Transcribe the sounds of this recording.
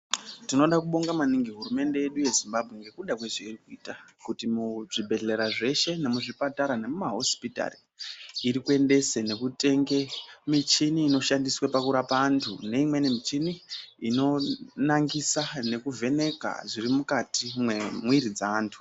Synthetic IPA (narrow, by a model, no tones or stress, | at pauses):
tino̞ɗakuɓo̞ŋɡamaniŋɡiɦuɾume̞nde̞jeɗuje̞zimbabʱwe̞ŋɡe̞kuɗakweʐeirikuiːtakutimuʐibʱe̞ɮe̞ɾaʐe̞ʃe̞ne̞muʐipataɾane̞mumaɦo̞spita̰ri | iɾikue̞nde̞sene̞kute̞ŋɡe̞mit͡ʃiniːno̞ʃandiswapakuɾapaːntʰune̞imwe̞ne̞mit͡ʃiniino̞naŋɡisane̞kuvʱe̞ne̞ka̰ʐirimukatimwemwiɾid͡zaːntʰu̥